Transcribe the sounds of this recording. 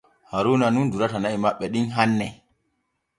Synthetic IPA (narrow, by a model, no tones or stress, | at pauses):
haɾunanunduɾatanaimaɓːɛɗinɦanːɛ